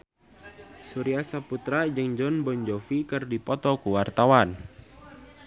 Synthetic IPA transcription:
suɾiasaput̪ɾad͡ʒɨŋd͡ʒɔnbɔɲd͡ʒɔfikɨrdipɔt̪ɔkuwart̪awan

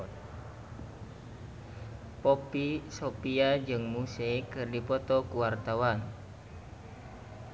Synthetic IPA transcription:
pɔpisopiad͡ʒɨŋmusekɨrdipɔt̪ɔkuwart̪awan

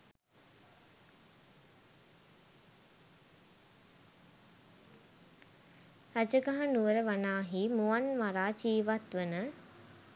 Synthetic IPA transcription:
ɾad͡ʒəɡaɦanuʋəɾəʋanaːɦimuʋanʋaɾaːt͡ʃiːʋat̪ʋənə

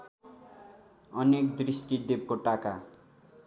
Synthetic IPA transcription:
ʌnekd̪risʈid̪ebkoʈaka

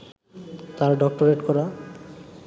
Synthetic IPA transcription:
t̪aɾɖɔk̚ʈoɾeʈkɔɾa

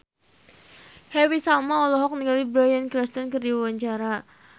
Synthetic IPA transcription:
hɛwisalmaɔlɔɦɔk̚niŋɡalibɾajankɾɛst̪ɔnkɨrdiwawaɲt͡ʃaɾa

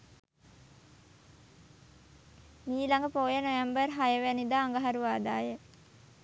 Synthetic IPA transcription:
miːlaŋɡəpoːjənoʋæmbərɦajəʋænid̪aːŋɡəɦaɾuʋaːd̪aːjə

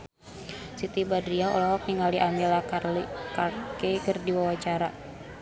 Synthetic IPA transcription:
sit̪ibadɾiaɔ̰lɔɦɔk̚niŋaliʔamilakalkarkekərdiwawat͡ʃaɾa

